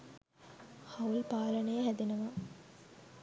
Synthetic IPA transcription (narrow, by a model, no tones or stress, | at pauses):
haulpaːlənejəɦæd̪enɐʋa